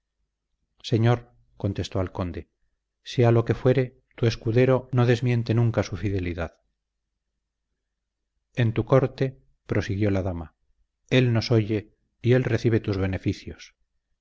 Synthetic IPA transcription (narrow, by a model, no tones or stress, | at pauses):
se̞ɲo̞ɾ | ko̞nt̪e̞st̪o̞alko̞nd̪e̞ | sealo̞ke̞fwe̞ɾe̞ | t̪ue̞skuðe̞ɾo̞no̞ðe̞zmje̞nt̪e̞nũŋkasufiðe̞liðað | ent̪uko̞ɾt̪e̞ | pɾo̞siɣjo̞laðama | e̞lno̞so̞ʝe̞ | ie̞lreθiβ̞e̞t̪uzβe̞ne̞fiθjos